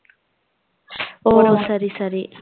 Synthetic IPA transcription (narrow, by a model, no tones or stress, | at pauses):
oːsɐɾisɐɾi